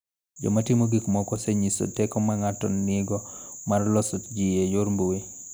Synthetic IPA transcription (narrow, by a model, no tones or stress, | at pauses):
d͡ʒɔ̰matimoɡikmɔkɔsɛɲiso̰tɛkɔmaŋatɔnːɪɡɔmarlɔsɔtd͡ʒijejoɾmboi